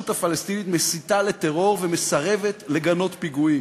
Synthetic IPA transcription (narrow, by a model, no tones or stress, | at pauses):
ut̪hafalest̪init̪mesit̪ale̞t̪e̞ʁo̞ʁveme̞saʁe̞ve̞t̪le̞ɡano̞t̪piɡui